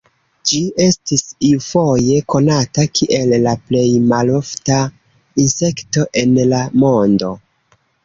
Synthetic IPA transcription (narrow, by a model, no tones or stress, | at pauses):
d͡ʒie̞stisiufo̞je̞ko̞natakʰiʔe̞lːaple̞jmalo̞fta | inse̞kto̞ʔe̞nlamo̞ndo̰